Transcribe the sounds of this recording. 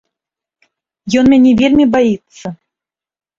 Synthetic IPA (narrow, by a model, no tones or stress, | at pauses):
jɔnmʲanʲɛvʲelʲmʲibajit̪sːɐ